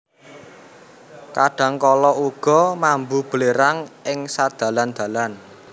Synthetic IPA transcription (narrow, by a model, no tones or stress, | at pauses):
kaɖ̥a̤ŋkɔlɔuɡ̥ɔ̤mambub̥əleɾaŋɪŋsad̪̥ä̤land̪̥ä̤lan